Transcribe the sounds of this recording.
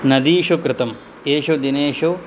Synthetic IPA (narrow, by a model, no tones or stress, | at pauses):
nɐd̪iːʃukɾɪt̪ɐm | eːʃod̪ineːʃo